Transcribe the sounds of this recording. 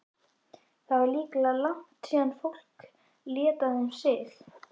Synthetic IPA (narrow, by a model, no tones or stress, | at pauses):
θavaɾliːklalaŋ̥t̪sɛːanfowl̥k | ljɛːt̪ahamsɪːx